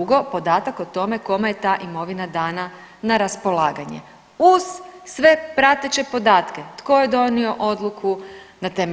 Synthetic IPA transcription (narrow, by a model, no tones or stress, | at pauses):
uɡo̞po̞d̪aːt̪akot̪o̞me̞ko̞mejet̪aːʔimo̞ʋinad̪aːna | naɾaspo̞lˠaːɡaɲḛ | uz̥ːʋe̞pɾat̪et͡ɕe̞po̞d̪aːt̪ket̪ko̞jed̪o̞nio̞ʔo̞d̪lˠukʰunat̪eːme